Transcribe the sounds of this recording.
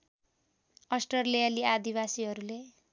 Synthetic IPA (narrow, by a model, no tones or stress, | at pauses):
ʌsʈʌrlejaliad̪ibasiɦʌɾule